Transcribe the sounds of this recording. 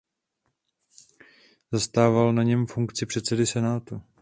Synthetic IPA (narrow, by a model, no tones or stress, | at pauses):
zast̪aːvalnaɲɛmfuŋkt͡sɪpr̥ɛt̪sɛdɪsɛnaːt̪u